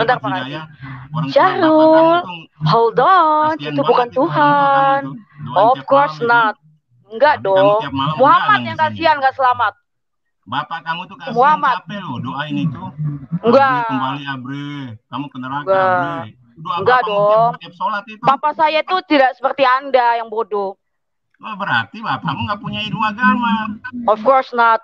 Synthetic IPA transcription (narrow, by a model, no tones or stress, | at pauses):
bənt̪arpakad͡ʒat͡ʃaɾʊlhɔldɔnt̪ubukant̪uɦanɔfkɔrsnat̪̚ | ŋɡaʔdɔŋmuɦamat̪̚jaŋɡasianŋɡaʔsəlamat̪̚ | muɦamat̪̚ | ŋɡakəmbaliabɾikamukənəɾaɡɡa | doŋɡaʔdɔt̪iap̚solat̪it̪ubapasajat̪ut̪idaʔsə̥pərt̪iandajaŋbodʊ | abəɾa̰rt̪ibapamuŋɡapuɲaiduaɡamaɔfkɔrsnɔt̪̚